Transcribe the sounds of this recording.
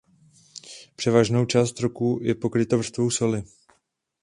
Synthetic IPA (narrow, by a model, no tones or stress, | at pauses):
pr̝̥ɛvaʒno̞wt͡ʃaːst̪ɾokuːjɛpo̞kɾɪt̪ovr̩st̪vo̞wsolɪ